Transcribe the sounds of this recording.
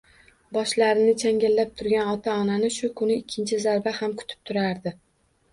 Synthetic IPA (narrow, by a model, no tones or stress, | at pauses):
bɒʃlaɾɪnɪt͡ʃʰaŋɡʲalːap̚t̪ʰʊɾɡʲanɒt̪ʰaɒnanɪʃʊkʰʊnɪɪkʲʰːɪnt͡ʃʰɪzaɾbahamkʰʊ̥t̪ʰɪ̥p̚t̪ʰʊɾaɾd̪ɪ